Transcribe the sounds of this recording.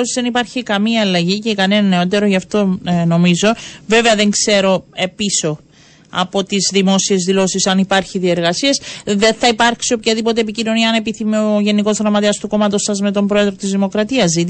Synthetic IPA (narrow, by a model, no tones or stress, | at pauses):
osizðenipɐɾçikɐmiɐːlɐʝicekɐnenɐneot̪̬e̞ɾo̞ʝɐft̪o̞no̞mizo̞ve̞ve̞ɐðe̞ŋkse̞ɾo̞e̞piso̞ | ɐ̰po̞t̪izðimo̞sie̞zðilo̞sisɐnipɐɾçiðie̞ɾɣɐsiesðe̞nθɐipɐɾksio̞pçɐðipo̞t̪e̞ːpicino̞niɐːne̞piθimioʝe̞niko̞zðɾɐmɐt̪eɐst̪uko̞mɐt̪o̞sɐzme̞t̪o̞mbɾoe̞ðɾo̞t̪izðimokɾɐt̪iɐzit̪